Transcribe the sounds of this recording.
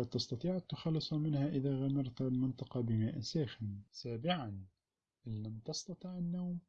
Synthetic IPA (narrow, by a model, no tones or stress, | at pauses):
at̪ɑst̪ɑt̪ˤiːʕat̪ːʊxɑlːɨsˤhamɪnhaʔɪðaːɣamɪɾˤt̪almɪnt̪ˤɑqɑbɪmaːʔɪsaːxɪnsaːbɪʕan | ʔɪlːamt̪ɑst̪ɑt̪ˤiʕɪnːawm